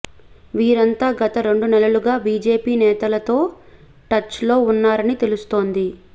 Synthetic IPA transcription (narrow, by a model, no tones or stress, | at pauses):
ʋiːɾɐnt̪aːɡɐt̪ɐɾe̞ɳɖunɛlɐluɡaːbiːd͡ʒeːpiːnɛːt̪ɐlɐt̪o̞ː | ʈɐt͡ʃːlo̞ːunːaːɾɐnit̪e̞lust̪o̞ːnd̪i